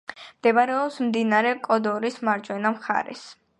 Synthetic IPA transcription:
md̪̥ɛbaɾɛɔpsmd̪inaɾɛkʼɔd̪ɔɾismaɾd͡ʒwɛnamχa̰ɾɛ̰s

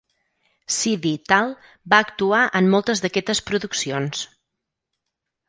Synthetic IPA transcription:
siðit̪alˠ | baəkt̪uaʔəmːolˠt̪əzðəkɛt̪əspɾuðuksions

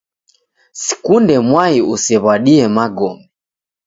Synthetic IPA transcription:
sɛ̥kundɛmwaiusɛβaɗiɛmaɡɔmbɛ

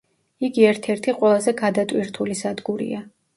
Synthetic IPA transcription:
iɡiɛɾt̪ʰɛɾt̪ʰiqʼwɛlˠazɛɡad̪at̪ʼwiɾt̪ʰulisad̪ɡuɾḭa

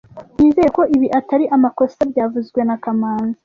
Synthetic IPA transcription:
niːzejeko̞ʔiβiʔataɾiʔamako̞sabɟaːvuzɡwe̞nakamaːnza

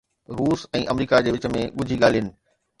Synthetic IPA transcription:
ɾuːsɛ̃ːʔɐmɾiːkad͡ʑeːʋɪt͡ɕəmẽɠʊd͡ʑʱiɠaːl̤ijənɪ̆

